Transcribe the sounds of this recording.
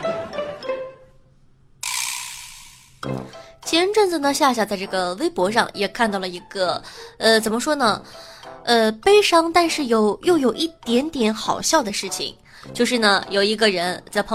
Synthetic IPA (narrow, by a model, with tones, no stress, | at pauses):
t͡ɕʰjɛ˥nʈ͡ʂwə˥˩nd͡zə˨˩nə˩˧ɕja˥˧ɕja˥˩t͡sa˥˧ɪʈ͡ʂɤ˥˩ɡə˩we˥ɪpwɔ˧˥ʂɑ̰˥˩ŋjɛ˨˩kʰa˥˧nt̪ɑ˥˩ʊlə˩i˧˥ɡ̥ə˧ə˧t͡sə˨˩nmə˦ʂwɔ˥nə˨ | ə˧pe˥ɪʂɑ˥ŋt̪a˥˧nʂɻ̩˥˩jo˨˧˥ʊjo˥˩ʊjo˨˩ʊʔi˥˩t̪jɛ˧˥nt̪jɛ˧˥nxɑ˨˩ʊɕjɑ˥˩ʊd̪ə˩ʂɻ̩˥˩t͡ɕʰḭ˨˩ŋ | t͡ɕjo˥˧ʊʂ̬ɻ̩˥˩nə˩jo˨˩ʊi˧˥ɡə˧ɻə˧˥nt͡sa˥˩ɪpʰɤ˧˥